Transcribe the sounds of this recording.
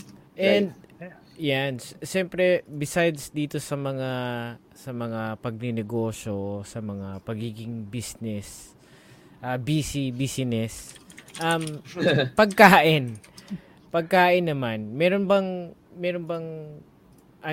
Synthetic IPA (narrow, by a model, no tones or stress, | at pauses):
ʔɛnd̪̚ | janʃɛmpɾɛbɪsajd̪sd̪iːt̪o̞sɐmɐŋa | sɐmɐŋapɐɡ̚nɪnɪɡo̞ːʃo̞sɐmɐŋapɐɡiːɡɪŋbisnɛs | ʔɐbiːsibisɪnɛsʔɐmpɐɡ̚kaːʔɪn | pɐɡ̚kaːʔɪnːɐmanmɛːɾo̞nbɐŋ | mɛːɾonbɐŋ | ʔɐ